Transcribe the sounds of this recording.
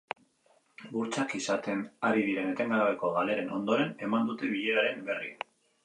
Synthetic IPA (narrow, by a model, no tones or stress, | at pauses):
buɾt͡sakisat̪e̞naɾið̞iɾe̞ne̞t̪e̞ŋɡaβ̞e̞ko̞ɣale̞ɾe̞no̞nd̪o̞ɾe̞ne̞mand̪ut̪e̞βiʎeɾaɾe̞mbe̞rḭa